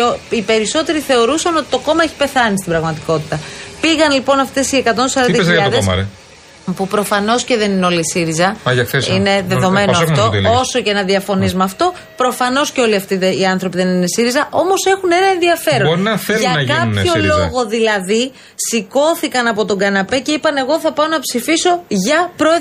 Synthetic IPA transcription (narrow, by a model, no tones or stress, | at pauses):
ipe̞ɾiso̞t̪e̞ɾiθe̞o̞ɾusɐno̞t̪it̪o̞ko̞mɐeçi̥pe̞θɐnist̪ibɾɐɣmɐt̪iko̞t̪i̥t̪ɐpiɣɐnlipo̞nɐft̪e̞sie̞kɐt̪ot̪os̬ɐɾɐnɐzɐɐðeɐ̰e | pupɾo̞fɐno̞sce̞ðe̞nineo̞lisiɾizɐɐʝɐkθesine̞ðe̞ðo̞me̞noɐft̪o̞oso̞ceenɐðiɐfo̞nizmɐːft̪o̞ | pɾo̞fɐno̞sceo̞liɐft̪iðiɐnθɾo̞piðe̞nine̞siɾizɐʔo̞mo̞se̞xune̞nɐenðiɐfe̞ɾoɾnɐθʝɐkɐpçollo̞ɣo̞ðilɐði | siko̞θikɐnɐpo̞t̪o̞ɡɐnɐpe̞ce̞ipɐne̞ɣo̞θɐpɐonɐpsifiso̞ʝɐpɾo